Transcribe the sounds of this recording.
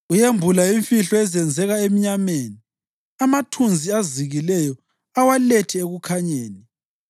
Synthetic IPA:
ujembʱulaiɱfiɬɔɛzɛnd͡zʱɛɣaemiɲameːni | amatʰund͡zʱiaziɣilɛjɔ | awalɛtʰɛeɣukʰaɲeːni

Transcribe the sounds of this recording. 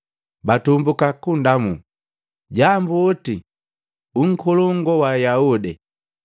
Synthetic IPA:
batumbukakundamu | ɟambuɔti | uŋ̩kʰɔlɔŋɡɔwajaudi

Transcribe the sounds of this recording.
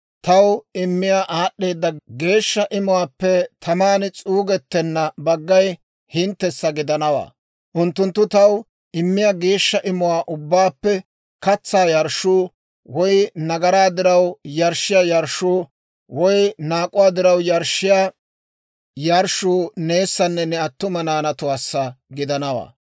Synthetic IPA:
t̪ɐwɪmːɪjaːʔaːɗːe̞ːd̪ːɐɡeːʃːɐʔɪmʊwaːpːɛt̪ʰɐmaːnɪt͡sʼuːɡɛt̪ːɛnːɐbɐɡːɐj | hɪnt̪ːɛsːɐɡɪd̪ɐnɐwa̰ː | ʔʊnt̪ːʊnt̪ːʊt̪ɐw | ɪmːɪjaːɡe̞ːʃːɐʔɪmʊwaːʔʊbːaːpːɛ | kɐt͡sːaːjɐɾʃuː | wɔjnɐɡɐɾaːd̪ɪɾɐwjɐɾʃɪjajɐɾʃuː | wɔjnaːkʼʊwaːd̪ɪɾɐwjɐɾʃːɪjaː | jɐɾʃuːne̞ːsːɐnːɛnɛɐt̪ːʊmɐnaːnɐt̪ʊwaːsːɐɡɪd̪ɐnɐwa̰ː

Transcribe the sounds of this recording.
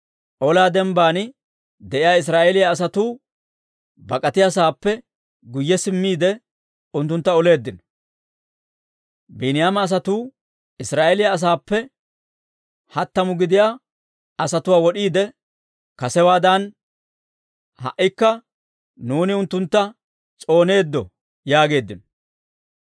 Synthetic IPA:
ʔɔlaːd̪ɛmbaːn | d̪ɛʔɪjaːɪs̬ɾaːʔelɪjaːs̬ɐt̪uː | bɐkʼɐt̪ɪjas̬aːpːɛ | ɡʊjːɛsɪmːiːd̪ɛ | ʊnt̪̬ːʊnt̪ːɐɔle̞ːd̪ːɪnɔ | binɪjaːmɐːs̬ɐt̪uː | ɪsɾaːʔɛlɪjaːs̬aːpːɛ | hɐt̪ːɐmʊɡɪd̪ɪjaː | ɐsɐt̪ʊwaːwɔɗiːd̪ɛ | kɐsɛwaːd̪ɐn | hɐ̰ʔːɪkːɐ | nuːnɪʊnt̪ːʊnt̪ːɐ | t͡sʼo̞ːne̞ːd̪ːɔ | jaːɡe̞ːd̪ːɪnɔ

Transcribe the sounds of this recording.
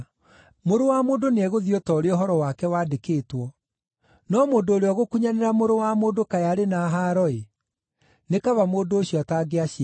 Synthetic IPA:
moɾowamoːndoneɛɣoðiotɔɾeoɦɔɾɔwakɛwaːdekeːtwɔ | nɔmoːndooɾeɔɣokuɲaneɾamoɾowamoːndokajaɾenaɦaɾɔe | nekaβamoːdoːɕiɔtaːɡeaɕi

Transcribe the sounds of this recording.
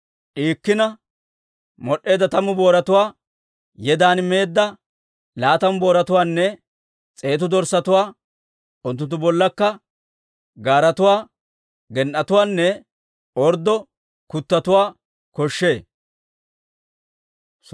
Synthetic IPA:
ʔiːkːɪnɐ | mɔɗːe̞ːd̪ɐt̪ɐmʊbo̞ːɾɐt̪ʊwaː | jɛd̪aːnmeːd̪ːɐ | laːt̪ɐmbo̞ːɾɐt̪ʊwaːnːɛ | t͡sʼe̞ːt̪̬ʊd̪ɔɾsɐt̪ʊwaː | ʊnt̪ːʊnt̪ːʊbɔlːɐkːɐ | ɡaːɾɐt̪ʊwaː | ɡɛnʔɐt̪ʊwaːnːɛ | ɔɾd̪ːɔ | kʊt̪ːɐt̪ʊwaː | kɔʃːe̞ː

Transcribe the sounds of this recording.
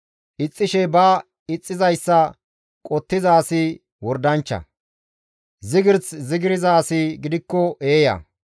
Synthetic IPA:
ʔɪt͡sʼːɪʃɛbɐ | ɪt͡sʼːɪzɐjsːɐ | kʼɔt̪ːɪzaːsi | wɔɾd̪ɐnt͡ʃːɐ̰ | zɪɡɪɾt͡szɪɡɪɾɪzaːsiɡɪd̪ɪkːɔʔeːjɐ̰

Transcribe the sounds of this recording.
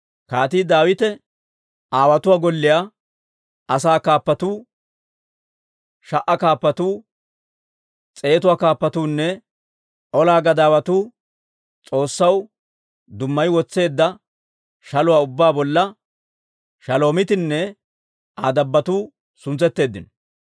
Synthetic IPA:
kaːt̪iːd̪aːwɪt̪ɛ | aːwɐt̪ʊwaːɡɔlːɪjaː | ɐsaːkaːpːɐt̪uː | ʃɐʔɐkaːpːɐt̪uː | t͡sʼe̞ːt̪̬ʊwaːkaːpːɐt̪uːnːɛ | ʔɔlaːɡɐd̪aːwɐt̪uː | t͡sʼo̞ːsːɐw | d̪ʊmːɐjwɔt͡sːe̞ːd̪ːɐ | ʃɐlʊwaːʊbːaːbɔlːɐ | ʃɐlo̞ːmɪt̪ɪnːɛ | aːd̪ɐbːɐt̪uː | sʊnt͡sɛt̪ːe̞ːd̪ːɪnɔ

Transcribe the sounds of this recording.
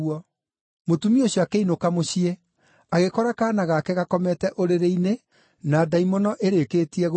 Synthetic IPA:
ɔ | motumioɕjoakeinokamoɕie | aɣekɔɾakanaɣakɛɣakɔmɛtɛʔoɾeɾeine | naːdaimonɔʔeɾekeːtiɛɣ

